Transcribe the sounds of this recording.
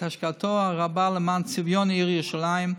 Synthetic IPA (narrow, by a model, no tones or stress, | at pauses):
aʃkatʰɔaʁabaləmant͡sɪvjɔniʁjuʃalaɪɪm